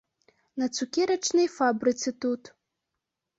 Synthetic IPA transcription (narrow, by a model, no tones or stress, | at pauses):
nɐt͡sukʲeɾɐʈ͡ʂnɨjfabɾɨt͡sɨt̪ut̪